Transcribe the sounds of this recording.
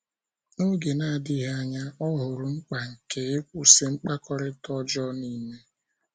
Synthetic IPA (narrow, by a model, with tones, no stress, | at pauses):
no˦ɡe˨na˦˨dɪ˦ɦa˦ɲa˦ɔ˦ɦʊ˨ɾʊ˨ŋ͡m̩˦k͡pa˨ŋ̩˨ke˨˦u˨se˦ŋ͡m̩˦k͡pa˦kɔ˦ɾɪ˦tɔ˦d͡ʒɔ˦ni˦me˦